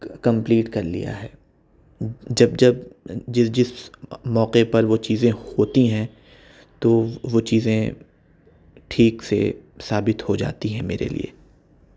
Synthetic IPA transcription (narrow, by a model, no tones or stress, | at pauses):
kɐ̃mpliːʈkɐɾlḭja̰ɦɛː | d͡ʒɐb̚d͡ʒɐbd͡ʒɪsd͡ʒɪsmɔːqepɐɾʋot͡ʃiːzẽhoːt̪iɦɛ̃ | t̪oʋot͡ʃiːzẽ | ʈʰiːksḛsaːbɪt̪hod͡ʒa̰ːt̪iɦɛ̃meːɾḛlḭḛː